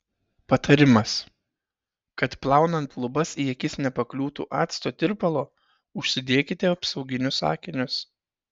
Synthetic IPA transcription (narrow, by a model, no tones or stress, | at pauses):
pɐt̪ɐɾʲɪmɐs | kɐt̪plˠɑˑʊnɐnt̪lˠʊbɐsiɛkʲɪsnʲɛpɐklʲuːt̪ṵːʔɑːt̪st̪oːt̪ʲɪɾpɐlˠoː | ʊʃʲsʲɪd̪ʲeɛkʲɪt̪ʲɛɐpsɐʊɡʲɪnʲʊsɑ̰ːkʲɪnʲʊs